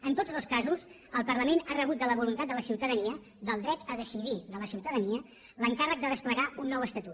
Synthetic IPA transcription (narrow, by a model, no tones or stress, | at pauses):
ənt̪od͡zðolskazus | əlˠpərləmenarəβ̞ut̪̚d̪ələβulunt̪at̪d̪ələsiwt̪əðəniə | d̪əlˠd̪ɾɛt̪əðəsiðiðələsiwt̪əðəniə | ləŋkarək̚d̪əðəspləɣaunːɔwəst̪ət̪ut